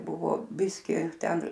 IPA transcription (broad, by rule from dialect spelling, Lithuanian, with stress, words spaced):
ˈbʊʋoː ˈbʲɪsʲkʲɪ ˈtʲɛn